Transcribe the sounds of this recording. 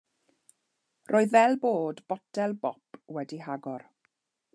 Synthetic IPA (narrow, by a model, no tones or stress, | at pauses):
rʔoːɨðvɛlˠboːdbɔtʰɛlˠbɔpwɛdiɦaɡɔr